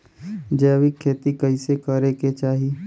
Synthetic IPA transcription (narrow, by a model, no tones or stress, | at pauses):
d͡ʒɛːʋikʰːeːt̪ikɐisekəɾeket͡ʃaːɦi